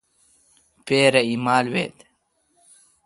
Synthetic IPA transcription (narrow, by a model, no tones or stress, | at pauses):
peːɾɐimaːlwḛːt̪